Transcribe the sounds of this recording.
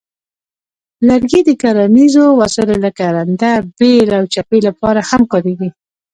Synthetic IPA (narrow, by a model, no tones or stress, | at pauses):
laɾɡid̪əkaɾanizowasəlolakaɾand̪abelawt͡ʃapelapɑɾahamkɑɾeɡi